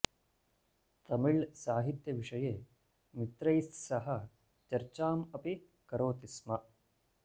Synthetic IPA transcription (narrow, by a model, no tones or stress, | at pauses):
t̪ɐmiɭsaːɦit̪jɐʋiʂɐjeː | mit̪ɾɐjssɐɦɐ | t͡ʃɐɾt͡ʃaːmɐpi | kɐɾoːt̪ismɐ